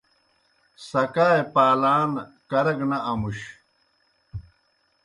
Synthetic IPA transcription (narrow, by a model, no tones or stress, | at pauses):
sɐkaːepaːlaːn | kɐɾɐɡnɐʔɐmuɕ